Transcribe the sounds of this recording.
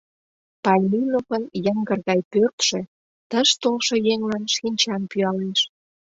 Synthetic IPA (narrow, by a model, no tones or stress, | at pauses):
pɑlʲminopənjəŋɡərɣɑjpørt̪ʃĕ | t̪əʃt̪olʃŏjeŋlɑnʃinʲt͡ɕɑnpyɑleʃ